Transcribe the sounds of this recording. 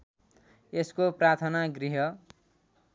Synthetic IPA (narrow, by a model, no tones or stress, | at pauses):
eskoprat̪ʰʌnaɡriɦʌ